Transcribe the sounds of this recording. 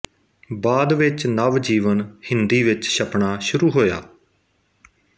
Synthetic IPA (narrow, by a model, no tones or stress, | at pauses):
baːd̪ʋɪt͡ʃnəʋd͡ʒiːʋənhɪnd̪iːʋɪt͡ʃʃəpɳaːʃʊɾuːɦoːja̰ː